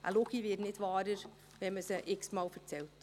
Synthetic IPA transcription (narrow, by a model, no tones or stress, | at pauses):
ʔa̰loɡiʋɪːtnɪtvɑːɾəɾ | vɛməsəʔɪksmɑːlfəɾt͡sɛlt